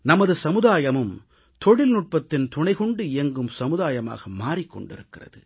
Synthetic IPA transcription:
nɐmɐðɯsɐmɯðaːjɐmɯm | t̪ɔɽɪlnʊʈ̚pɐt̪ːɪnt̪ʊɳɐɪɣɔɳɖɯɪjɐŋɡɯmsɐmɯðaːjɐma̰ːɣɐmaːrikːɔ̰ɳɖɪ̰ɾɯkːɪrɐ̰ðɯ

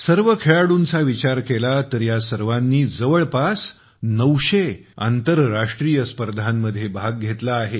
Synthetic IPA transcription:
səɾʋəkʰeɭaɽuːnt͡saʋit͡ɕaɾkelat̪əɾjasəɾʋanːiːd͡zəʋəɭpas | nəʋɕe | a̰nt̪əɾɾaʂʈɾijəspəɾd̪ʱanːəd̪ʱːjebʱaɡ̚ɡʱet̪laːɦe

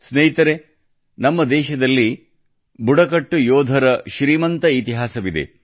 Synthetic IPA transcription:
snɐɦit̪ɐɾe | nɐmːɐd̪ɛːʃɐd̪ɐlːi | buɽɐkɐʈːujoːd̪ʱɐɾɐʃɾiːmɐnt̪ɐit̪iɦaːsɐʋid̪e̞̰

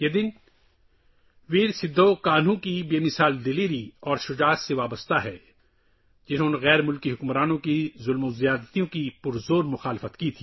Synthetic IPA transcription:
jed̪ɪn | ʋiːɾsɪd̪ʱːokaːn̤ũkibeːmɪsaːld̪ɪliːɾiɔːɾʃʊd͡ʒaːt̪seʋaːbəst̪aɦɛː | d͡ʒɪnɦõːneɣɛːɾmʊlkiɦʊkmɾaːnõkizʊlmozijaːd̪t̪ijõkipʊɾzoːɾmʊxaːlɪfət̪kit̪ʰiː

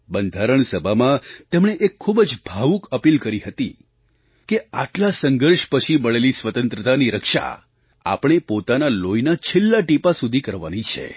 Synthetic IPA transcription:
bənd̪ʱaɾəɳsəbʱamãt̪emɳ̃eʔekʰːubd͡ʒbʱaʋukəpilkəɾiɦət̪i | keaʈlasəŋɡʱəɾʃpət͡ʃʰiməɭelisʋət̪ənt̪ɾət̪aniɾəkʃa̰ | a̰pɳ̃epot̪analojnat͡ʃʰelːaʈipasud̪ʱikəɾʋa̰nit͡ʃʰḛ

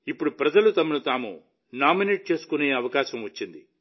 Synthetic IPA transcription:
ipːuɽupɾɐd͡ʒɐlut̪ɐmɐnut̪aːmṵ | naːmineːʈ̚t͡ʃe̞ːsu̥kune̞ːɐʋɐkaːʃɐmʋɐt͡ʃːind̪i

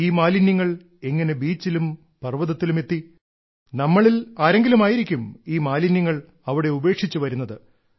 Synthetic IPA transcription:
iːmaːlinjɐŋːɐɭ | e̞ŋːɐne̞biːt͡ɕːilum | pɐrʋɐðɐt̪ːilume̞t̪ːi | nɐmːɐɭilaːɾeŋɡilumaːjiɾikʲːumiːmaːlinjɐŋːɐɭ | ɐʋiɽe̞ube̞ːkʂit͡ɕːuʋɐɾunːɐðɨ

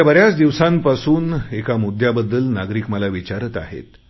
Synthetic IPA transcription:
abəɾjat͡sd̪iʋsãmpasuːnekamud̪ʱjabəd̪ːəlnaɡɾiːkməlaʋit͡ɕaɾət̪a̰ɦḛt̪

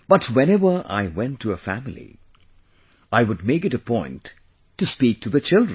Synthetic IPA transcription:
b̥ʌtʰwɛ̃nɛvə˞ʔa̰ɪwɛ̃ntʰːɨəfæmɪlḭ | ʔaɪwʊd̚meɪkɨɾɨpʰɔ̃ɪ̃ntʰː | ɨspik̚tʰɨðɨt͡ʃɪlˠdɹ

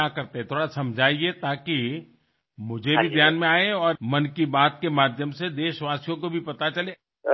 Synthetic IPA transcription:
akɐɾt̪eɦɛ̃t̪ʰoːɽasɐ̃md͡ʒʱaːiet̪aːki | mʊd͡ʒʱebʱid̪ʱjaːnmẽaːẽɔːɾmɐnkibaːt̪̚kemaːd̪ʱjəmsed̪eːʃʋaːsijõkobʱipɐt̪at͡ʃɐle

